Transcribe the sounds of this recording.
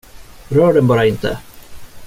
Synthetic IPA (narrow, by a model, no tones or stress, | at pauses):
ɾœːɖɛnbɑːɾaɪnt̪ʰə̰